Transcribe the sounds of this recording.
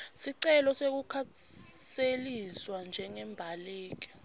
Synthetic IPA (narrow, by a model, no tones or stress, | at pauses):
siǀɛlɔsek̬ukʰaseliswand͡ʒʱɛŋɛmbʱaleːk̬i̥